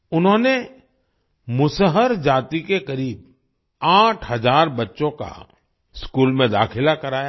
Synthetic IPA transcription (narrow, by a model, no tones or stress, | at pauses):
ʊnɦõne | mʊsəɦəɾd͡ʒaːt̪ikekɐɾiːb | aːʈʰɦɐzaːɾbətːʃõka̰ | skuːlmẽd̪a̰ːkʰɪlakɐɾaːja